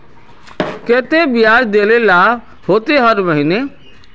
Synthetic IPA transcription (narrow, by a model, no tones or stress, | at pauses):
keːt̪ebɪjaːɾd̪eːlelaː | hoːt̪eɦəɾməɦine